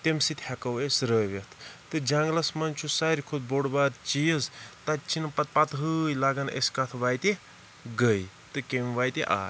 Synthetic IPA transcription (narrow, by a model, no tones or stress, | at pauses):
t̪emsit̪ʲhɐkɐwesɾəːʋet̪ʰt̪ɨd͡ʒaŋɡlɐsmɐnt͡ʃʰusaɾʲikʰod̪̚boɽbaːd̪t͡ʃijɐzt̪ɐt͡ʃʰinpɐt̪̚pɐt̪ɦɨjlaɡɐnḛskɐt̪ʰʋajt̪e | ɡəj | t̪ɨkemʋaːjt̪iʔa̰ː